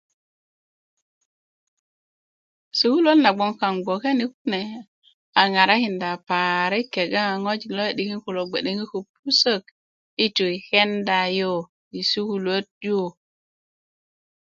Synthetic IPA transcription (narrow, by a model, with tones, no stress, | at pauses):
su˦ku˦lo˦tna˨ɡ͡bo˨ŋka˨ŋɡ͡bo˨ke˦ni˦ku˦ne˨ | a˨ŋa˨ɾa˦ki˨nda˨pa˨ɾe˦kːe˨ɡa˦˨ŋo˦d͡ʒi˨lo˦e˨ɗi˨ki˦nku˨lo˨ɡ͡be˨ɗe˨ŋi˦ku˨p̚u˦sə˦˨k̚ | i˦tu˨i˨ke˦nda˨jo˦˨ | i˨su˦ku˦lo˦t̚jo˦˨